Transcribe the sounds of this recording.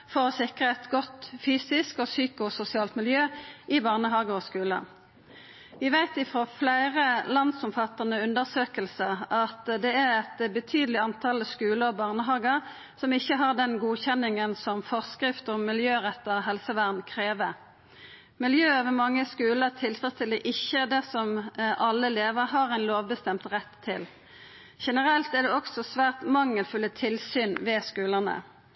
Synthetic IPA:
fɔʁɔsɪkʁəɛt̪ɡɔt̪fyːsɪskosyːkʊsʊsɪɑːlt̪mɪljøːʔɪbɑʁnəɦɑːɡəɔskʉːlə̰ | ʋɪʋæɪt̪ɪfʁoːflæɪʁəlɑnsɔmfɑt̪ːəʁnəʉnd̪əʁsøːkəlsəɑt̪d̪ɛæʁɛt̪bət̪ʰyːd̪əlɪɑnt̪ʰɑlskʉːləbɑʁnəɦɑːɡə | sɔmɪçːəɦɑʁd̪ɛnɡuːçɛnːɪŋənsɔmfɔʁskɾɪft̪ɔmmɪljøːʁɛt̪ːəʁɦɛlsəʋæʁnkʰʁeːʋə | mɪljøːoʋəmɑŋːəskʉːləʁt̪ʰɪlt̪ʰʁɑst̪ʰɪld̪ɛʔɪçːəd̪ɛsɔmʔɑlːəleːʋəʁɦɑɾæɪnloːʋbəst̪ɛmt̪ʁɛt̪ʰːɪ̰l | ʃɛnəʁɛlt̪æd̪ɛɔksɔsʋæːʁt̪mɑŋːəlfʉlːət̪ʰɪlsyːnʋɛskʉːlənə̰

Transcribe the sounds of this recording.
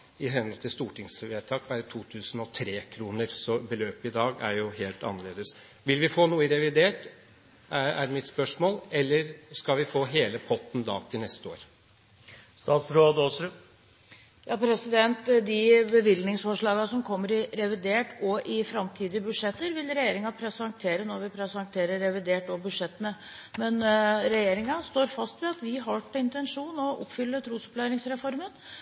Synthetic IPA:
ɪɦɛnɔt̪ʰɪst̪uːʈɪŋsʋeːʈʰɑːkʋæɾət̪ʰuːt̪ʰʉːsn̩ɔt̪ʰɾeːkʰɾuːnəɾsɔbəløːpɪd̪ɑːɡæɾjʊɦeːlt̪ɑ̰nːəɭeːd̪əs | ʋɪlʋɪfoːnuːəɾɛʋɪd̪eːʈ | ææ̰ɖmɪt̪spœʂmoːlɛlːəɾskɑlʋɪfoːɦeːləpʰɔt̪ːn̩d̪ɑ̰ːt̪ʰɪlnɛst̪əoːɾ | st̪ɑːt̪sɾoːd̪osɾ | jɑːpʰɾɛsɪd̪ɛnt̪d̪ɪbəʋɪlnɪŋsfɔʂɭɑːɡɑsɔmkʰɔmːəɾɪɾɛʋɪd̪eːʈɔʔɪfɾɑmt̪ʰiːd̪ɪəbʉd̪ʂɛt̪ːəɾʋɪlɾɛjeːɾɪŋɑpʰɾɛsəhɑŋk̚t̪ʰeːɾənɔɾʋɪpʰɾɛsəhɑŋk̚t̪ʰeːɾəɾːɛʋɪd̪eːʈɔbʉʂɛt̪ːənə | mɛnɾɛjeːɾɪŋɑst̪oːɾfɑst̪ʋɛɑt̪ʋɪɦɑʈːəɪnt̪ɛnʂuːnɔʔɔ̰pːfʏlːət̪ʰɾuːsɔ̥plæɪɾɪŋsɾɛfɔɾmən

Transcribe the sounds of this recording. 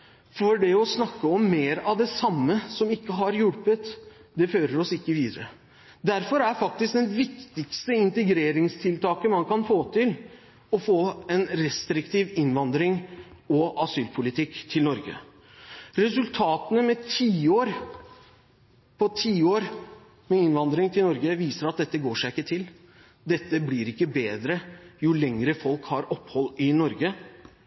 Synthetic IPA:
fɔɖɛɔsnɑkːəɔmːeːɾɑʋd̪ɛsɑmːəsɔmɪkːəɦɑɾjʊɽpət̪ | d̪ɛføːɾəɾɔsɪkːəʋiːd̪əɾə̰ | d̪æɾfɔɾæɾfɑk̚t̪ɪsk̚d̪ɛnʋɪkt̪ɪɡst̪əɪnt̪əɡɾeːɾɪŋst̪ʰɪlt̪ʰɑːkənmɑnkɑnfoːt̪ʰɪl | ɔfoːɛnɾɛst̪ɾɪkt̪ʰiːʋɪnʋɑnd̪ɾɪŋɔʔɑsyːlpʰʊlɪt̪ʰɪkt̪ʰɪlnɔɾɡə̰ | ɾɛsʉlt̪ʰɑːt̪ənəmɛt̪ʰiːoːɾ | pʰɔt̪ʰiːoːɾ | mɛɪnʋɑnd̪ɾɪŋt̪ʰɪlnɔɾɡəʋiːsəɾɑt̪̚d̪ɛt̪ːəɡoːʂæɪkːət̪ʰɪl | d̪ɛt̪ːəblɪɾɪkːəbeːd̪ɾəjʊlɛŋɾəfɔlkhɑɾɔphɔlːɪnɔɾɡə

